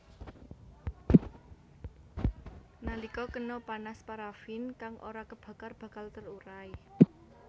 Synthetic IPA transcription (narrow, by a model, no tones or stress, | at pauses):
nalikɔkənɔpanaspaɾafinkaŋʔo̰ɾakəb̥ä̤karb̥a̤kalt̪əruɾai